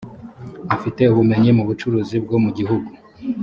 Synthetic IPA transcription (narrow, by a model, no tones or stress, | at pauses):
afite̞uβume̞ɲimuβut͡ʃuɾuːzib̚ɡo̞muɟiɦuɡu